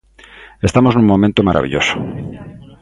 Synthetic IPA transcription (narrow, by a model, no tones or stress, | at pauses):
est̪amoznũŋmõmẽnt̪omaɾʔa̰βḭʎoso̥